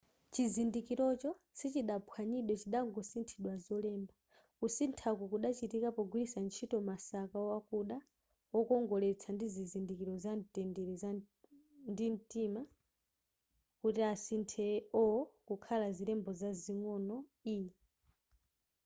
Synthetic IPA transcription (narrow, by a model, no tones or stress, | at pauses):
t͡ʃizindikiɾɔt͡ʃɔsit͡ʃiɗapʰwaɲiɗwɛt͡ʃiɗaŋɡɔsintʰiɗwazɔlɛːmba | kusintʰakukuɗat͡ʃitikapɔɡulisant͡ʃʰitɔmasakaɔwakuɗa | wɔkɔŋɡɔlɛt͡sʰandizizindikiɾɔzantɛndiɾiza | ndintima | kutiasintʰɛɔkukʰalazilɛmbɔzaziŋɔnɔi